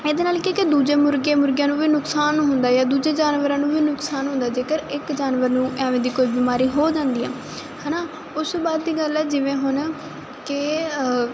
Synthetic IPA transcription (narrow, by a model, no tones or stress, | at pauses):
eːd̪eːnaːlkeːked̪uːd͡ʒeːmʊɾɡẽːmʊɾɡjãːnũːʋiːnʊksaːnɦʊnd̪aːjaːd̪uːd͡ʒeːd͡ʒaːnʋəɾãːnũːʋiːnʊksaːnɦʊ̃nd̪aːd͡ʒeːkəɾɪkd͡ʒaːnʋəɾnũːʔɛːʋẽːd̪iːkoibiːmaːɾiːɦoːd͡ʒãːnd̪iːɦɛː | hɛːnaː | ʊsbaːd̪ːiːɡəlɛːd͡ʒɪʋẽːɦʊn | kɪ